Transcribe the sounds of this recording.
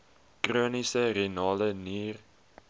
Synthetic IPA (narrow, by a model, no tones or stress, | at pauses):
kroːnisərenɑːləniːr